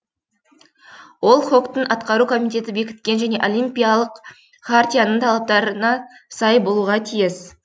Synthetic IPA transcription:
wo̞lˠχo̞kt̪əɴɑt̪qɑɾukʰo̞mijt̪e̞t̪ɪbe̞kʲɪ̥t̪̚kʲe̞nʒæne̞ʔo̞lˠijmpʲijalˠəq | χart̪ʲijanəɴt̪ʰɑlˠɑp̚t̪ɑɾənɑsɑjbo̞lˠuʁɑt̪ʰijɪs

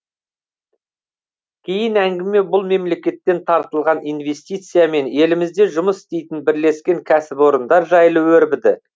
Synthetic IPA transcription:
kʲʰe̞jɪnæŋɡʲɪme̞bʊlˠme̞mle̞kʲe̞t̪ːe̞nt̪ʰɑɾt̪əlˠʁɑnijnve̞st̪ijt̪sɨjame̞ne̞lɪmɪzd̪e̞ʒʊməsɪ̥st̪e̞jt̪ɪnbɪɾle̞skʲe̞ŋkʲʰæsɪpo̞ɾənd̪ɑɾʒɑjlˠəwɵɾbɪd̪ɪ

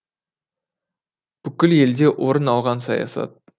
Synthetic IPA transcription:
b̥ʏkʲɪle̞ld̪e̞ʔwʔo̞ɾənɑlˠʁɑnsɑjɑ̰sɑ̰t̪̚

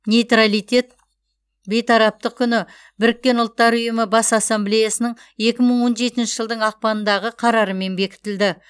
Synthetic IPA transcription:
nʲejt̪ralijt̪ʲe̞t̪̚ | be̞jt̪ʰɑɾɑp̚t̪əq̚kʲʰʏnɪ | bɪɾɪkʲːe̞nʊlˠt̪ːɑɾʊjəməbɑsɑsːemblʲe̞jasənəɴ | e̞kʲɪməɴwo̞nʒe̞t̪ɪnʃɪʒəlˠd̪əɴɑq̚pɑnənd̪ɑʁəqʰɑɾɑɾəme̞nbe̞kʲɪ̥t̪ɪld̪ɪ

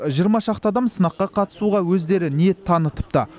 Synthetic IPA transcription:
ʒijəɾmɑʃɑqt̪əɑd̪ɑmsənɑqːɑqʰɑt̪ə̥suʁɑwɵzd̪e̞ɾɪniet̪ʰɑnət̪ə̥p̚t̪ə

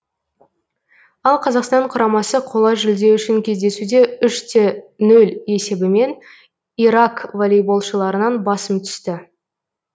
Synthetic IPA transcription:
ɑlˠqʰɑzɑqst̪ɑɴqʰʊɾɑmɑsəqʰo̞lˠɑʒɪld̪e̞wʏʃɪŋkʲʰe̞zd̪e̞sud̪e̞ʏʃt̪ʰenɵle̞se̞bɪme̞n | iɾakvolʲijbo̞lˠʃəlˠɑɾənɑnbɑsəmt̪ʰʏ̥st̪ɪ

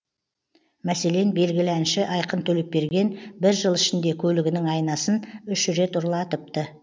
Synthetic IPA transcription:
mæse̞le̞nbe̞lɡʲɪlɪænʃɪʔɑjqənt̪ʰɵle̞p̚pe̞ɾɡʲe̞nbɪɾʒəlˠɪʃɪnd̪e̞kʲʰɵlɪɡʲɪnɪŋɑjnɑsənʏʃɾe̞t̪ʊɾlˠɑt̪əp̚t̪ə

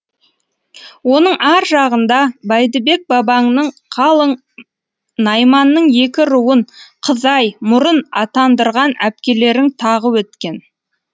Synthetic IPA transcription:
wo̞nəɴɑɾʒɑʁənd̪ɑbɑjd̪əbe̞k̚bɑbɑŋnəɴqʰɑlˠəɴ | nɑjmɑnːəɴje̞kʲɪɾuwəɴqʰəzɑjmʊɾənɑt̪ɑnd̪əɾʁɑnæp̚kʲe̞le̞ɾɪŋt̪ʰɑʁəwɵt̪kʲe̞n

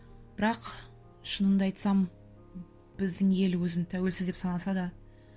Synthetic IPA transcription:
b̥ɪɾɑq | ʃənəmd̪ɑɑjt̪sɑm | b̥ɪzd̪ɪŋe̞lwɵzɪnt̪ʰæwe̞lsɪzd̪epsɑnɑsɑd̪ɑ

